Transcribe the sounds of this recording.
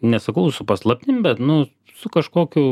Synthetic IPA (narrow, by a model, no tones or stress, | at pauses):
nʲɛsɐkɐʊsʊpɐslˠɐpʲt̪ʲɪmʲbʲɛt̪nʊ | sʊkɐʃkoːkʲʊː